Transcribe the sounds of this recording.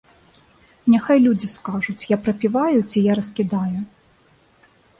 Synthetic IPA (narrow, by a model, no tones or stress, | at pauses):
nʲaxajlʲud͡zʲiskaʐut͡sʲjapɾɐpʲivajut͡sʲijaɾɐskʲid̪aju